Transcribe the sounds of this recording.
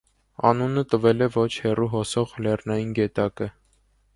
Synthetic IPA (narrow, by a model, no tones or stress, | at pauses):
ɑ̰nunət̪əvɛlɛvɔt͡ʃʰhɛruɦɔsɔʁlɛrnɑjinɡɛt̪ɑkə